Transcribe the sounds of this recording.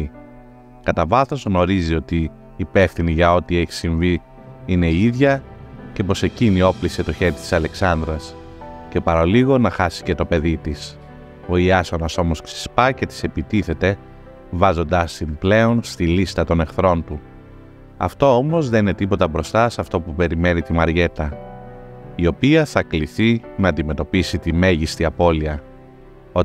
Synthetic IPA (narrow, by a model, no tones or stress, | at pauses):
kɐt̪ɐvɐθo̞zɣno̞ɾizio̞t̪iː | pe̞fθiniʝɐo̞t̪ieçi̥siɱvi | ine̞iiðʝɐce̞po̞se̞cinio̞pliset̪o̞çe̞ɾit̪i̥sɐle̞ksɐnd̪ɾɐs | ce̞pɐɾɐliɣo̞nɐxɐsi̥ce̞t̪o̞pe̞ðit̪is | o̞iɐsonɐso̞mo̞sksi̥spɐce̞t̪i̥se̞pit̪iθe̞t̪e̞ | vɐzo̞nd̪ɐsimple̞o̞nst̪ilist̪ɐt̪o̞ne̞xθɾo̞nt̪u | ɐ̰ft̪o̞o̞mo̞zðe̞nine̞t̪ipo̞t̪ɐbɾo̞st̪ɐsɐft̪o̞pupe̞ɾime̞nit̪imɐɾʝe̞t̪ɐ | io̞piɐθɐkliθinɐːnd̪ime̞t̪o̞pisit̪ime̞ʝist̪iɐpo̞liɐ | o̞